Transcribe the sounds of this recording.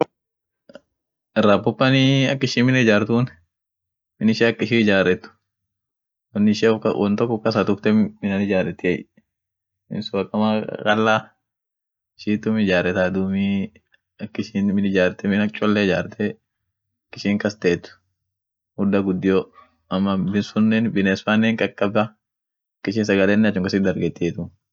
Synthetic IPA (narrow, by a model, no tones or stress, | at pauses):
ɛrːaːpʊpːɐniɐkːɪʃiːnmːɪnɐɪd͡ʒaːɾt̪uːn | mɪnɪʃeɐkːɪʃiːɪd͡ʒaːɾɛt̪ːʊ̥ | wɐnːɪɪʃɛɔfkɐwʔɔnt̪ɔkːʊkːɐsɐt̪ʊft̪ɛmɪnɐnɪd͡ʒaːɾɛt̪ːɪjɛj | mɪ̰nsʊwɐkʼːɐmakʼɐlːaː | ɪʃiːt̪ːʊmɪd͡ʒaːɾɛt̪aːd̪uːmi | ɐkːɪʃiːnmɪnɪd͡ʒaːɾt̪ɛmɪnɐt͡ʃʼːɔlːɛɪd͡ʒaːɾt̪ʰɛ | ɐkːɪʃiːŋkɐst̪eːt̪ːʊ̥ | hʊd̪ːɐɡʊd̪ːɪjo | ɐmːɐbɪnsʊnːɛnbɪnɛsfanːɛŋkʼɐkʼːɐbɐ | ɐkːɪʃiːnsɐɡɐlɛnːɛɐt͡ʃːʊŋkɐsɪd̪ɐɾɡɛt̪ːɪet̪ʊ